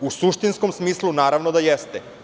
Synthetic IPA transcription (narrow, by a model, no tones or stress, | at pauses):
usuʃt̪inskomsmiːslˠunaːɾaʋnod̪ajest̪ɛ